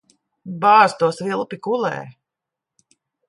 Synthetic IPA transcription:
baːzt̪uɔsvilˠpʲikulɛ̰ː

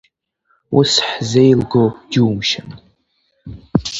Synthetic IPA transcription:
ʊ̰sħzejlɡowduːmʃan

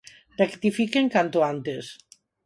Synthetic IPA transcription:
rekt̪ifikeŋkant̪oant̪es

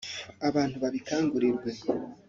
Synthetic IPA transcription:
aβaːn̥huβaβikaːŋɡuɾiɾɡwe̞

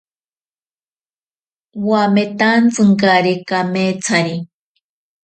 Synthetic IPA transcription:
wamet̪ant͡sɨŋkaɾikamet͡sʰaɾi

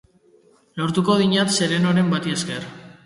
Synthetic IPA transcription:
lo̞ɾt̪uko̞ðiɲat̪se̞ɾe̞noɾe̞mbat̪ieske̞r

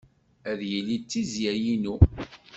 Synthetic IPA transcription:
æðjəlːit͡sːizjæjinu

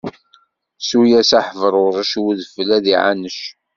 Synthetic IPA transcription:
sujæsaħəvəɾˤʊɾˤəʃwuðfəlæðiʕa̰nəʃ

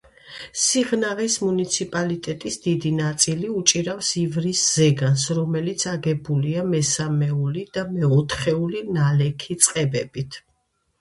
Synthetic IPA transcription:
siʁnaʁismunit̪sʰipʼalit̪ʼɛt̪ʼisd̪id̪inat̪sʼiliut͡ʃʼiɾafsivɾisz̥ɛɡansɾɔmɛlit̪sʰaɡɛbuliamɛsamɛulid̪̥amɛɔt̪ʰχɛulinalɛkʰit̪sʼqʼɛbɛbit̪ʰ

